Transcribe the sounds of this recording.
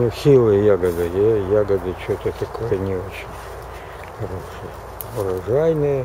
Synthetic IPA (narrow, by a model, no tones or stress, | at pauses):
nʊsʲilˠɨjaɡɐd̪ɨjejaɡɐd̪ɨt͡ɕot̪ʲət̪ɐkʰojənʲɪot͡ɕɪnʲ | xɐɾoʂɨjə | ʊɾɐʐæjnɨj